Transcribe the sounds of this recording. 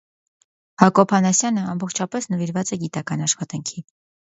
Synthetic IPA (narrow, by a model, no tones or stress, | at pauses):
hɑkɔpʰɑnɑsjɑnəɑmbɔχt͡ʃʰɑpɛsnəviɾvɑt͡sɛɡit̪ɑkɑnɑʃχɑt̪ɑŋkʰi